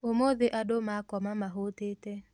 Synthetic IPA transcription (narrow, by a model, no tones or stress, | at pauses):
omoðeʔadomakɔmamaɦot̪ete